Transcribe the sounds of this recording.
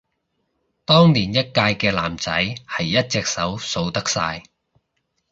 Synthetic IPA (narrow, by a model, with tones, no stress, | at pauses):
t̪ɔː˥ŋniː˨˩njɐ˥t̚kaː˧jkɛː˧la̰ː˨˩mt͡sɐ̰˨˥jhɐ˨jːɐ˥t̚t͡sɛ˨k̚sɐ˨˥wso˧wt̪ɐ˥k̚saː˧j